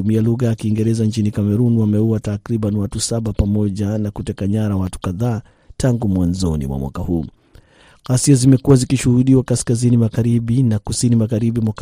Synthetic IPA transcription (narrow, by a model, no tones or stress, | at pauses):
umialuɣajakiːŋɡɛɾɛzant͡ʃinikamɛɾunwamɛuatakɾiɓanwatusaɓapamɔʄanakutɛkaɲaɾawatu̥kaðaː | tʰaŋɡumwanzɔnḭmwa̰mwa̰kahuː | ɣasiazimɛkuwazikiʃuhuɗiwakaskazinimaɣaɾiɓinakusinimaɣaɾiɓimwak